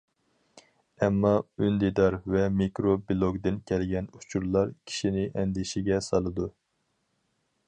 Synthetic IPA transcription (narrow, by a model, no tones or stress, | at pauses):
ɛmːɑynd̪id̪ɑɾvɛmikɾobilˠoɡd̪ɪnkʲʰɛlɡʲɛnu̥t͡ʃʰuɾlˠɑɾkʲʰi̥ʃinɪʔɛnd̪ɪʃiɡʲɛsɑlˠɨd̪u